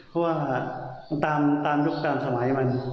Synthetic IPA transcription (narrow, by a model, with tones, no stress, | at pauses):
pʰɔ˦˥waː˧˩t̪aː˧mt̪aː˧mjo˦˥˩k̚k̪aː˧msa˧ma˩˦jma˧n